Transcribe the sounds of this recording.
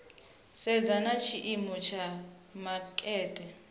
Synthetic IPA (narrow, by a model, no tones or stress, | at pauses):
sɛd͡zanat͡ʃʰiʔimut͡ʃʰa | makʼɛːtʼɛ